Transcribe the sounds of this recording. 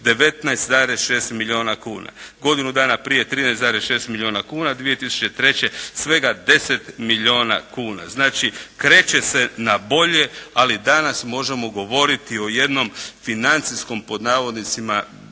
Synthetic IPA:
d̪e̞ʋe̞t̪najst̪zaːɾesʃe̞ːst̪miʎʲio̞ːnakuːna̰ɡo̞d̪inud̪aːnapɾije̞t̪ɾiːnajst̪aːɾesʃe̞ːst̪milʲio̞ːnakuːnad̪ʋije̞t̪isu̥t͡ʃe̞t̪ɾe̞t͡ɕe̞sʋe̞ɡad̪e̞se̞t̪miʎo̞ːna̰kuːna̰znaːt͡ʃikɾe̞ːt͡ɕe̞se̞nabo̞ʎe̞alid̪anasmo̞ʒe̞mo̞ɡo̞ʋo̞ɾit̪io̞je̞d̪no̞mfinant̪sisko̞mpo̞d̪naːʋo̞d̪nit̪sima

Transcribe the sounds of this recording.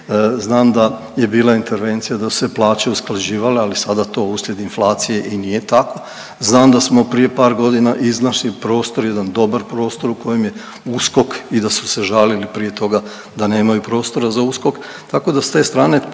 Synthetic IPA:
znaːmd̪a | je̞biːlˠaint̪e̞ɾʋe̞nt̪sijad̪asu̥seplˠaːt͡ɕe̞usklaʒiːʋalealisad̪at̪o̞usljed̪inflˠaːt̪sije̞ʔinije̞t̪ako̞ | znaːmd̪asmo̞pɾije̞paːɾɡo̞d̪inaʔiznaʃlipɾo̞ːst̪o̞ɾjed̪and̪o̞baɾpɾo̞ːst̪o̞ɾuko̞jemje̞ | usko̞kid̪asu̥se̞ʒalilipɾije̞t̪o̞ɡa | d̪ane̞ːmajupɾo̞ːst̪o̞ɾazausko̞k | t̪ako̞d̪ast̪e̞ːst̪ɾaːne̞

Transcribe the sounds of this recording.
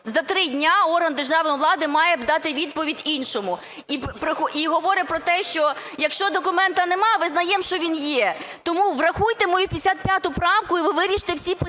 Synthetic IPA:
zɐt̪ɾɪdʲnʲaɔrɦɐnd̪erʒɑʋnʋlˠɑd̪ɪmɑjɛbd̪ɑt̪ɪʋʲid̪̚pɔʋʲidʲinʃɔmʊ | ipɾɪxɔʔiɦɔʋɔɾɪpɾɔt̪ɛʃt͡ʃɔjɐkʃt͡ʃɔd̪ɔkʊmɛnt̪ɐnɛmɑʋɪznɐjɛmʃt͡ʃɔʋʲinjɛt̪ɔmuʋrɐxujt̪emɔjupʲjsʲat̪̚pʲjat̪ʊpɾɑmkʊiʋɪʋɪɾʲiʃt̪ewsʲip

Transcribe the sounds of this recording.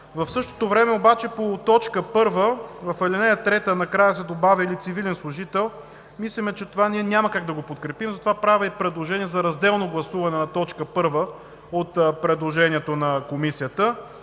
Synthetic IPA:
vɐfsɤʃt̪o̥t̪ovɾɛmɛobat͡ʃɛpot̪ɔt͡ʃkəpɤɾvəvɐfɛlinɛjət̪ɾɛt̪ənɐkɾajəsɛd̪obavʲəilit̪sivilɛnslˠʊʒit̪ɛlˠ | mislʲimɛt͡ʃɛt̪ovaniɛnʲamɐkaɡ̚d̪ɐɡopot̪kɾɛpimzɐt̪ovapɾavʲəipɾɛd̪lˠoʒɛnʲiɛzɐɾɐzd̪ɛlˠnoɡlˠɐsuvɐnɛnɐt̪ɔt͡ʃkəpɤɾvə | ot̪pɾɛd̪lˠoʒɛniɛt̪onɐkomisijət̪ə

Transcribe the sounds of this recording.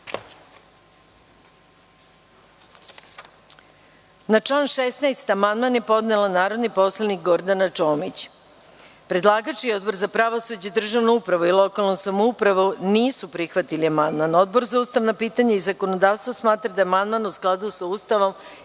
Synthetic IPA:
nat͡ʃlˠaːnʃesnajst̪amand̪manjepo̞d̪nelanaːɾo̞d̪nipo̞slˠanik̚ɡo̞ɾd̪anat͡ʃo̞ːmit͡ɕ | pɾe̞d̪lˠaːɡat͡ʃio̞d̪bo̞ɾzapɾaʋo̞sud͡ʑed̪r̩ʒaʋnoupɾaʋoilˠo̞kalˠnosamoupɾaʋuniːsupɾixʋat̪iliamand̪mano̞d̪̚bo̞ɾzauːst̪aʋnapiːt̪aɲaizako̞nod̪aːʋst̪ʋosmaːt̪ɾad̪aeamand̪manusklˠad̪usauːst̪aʋo̞m

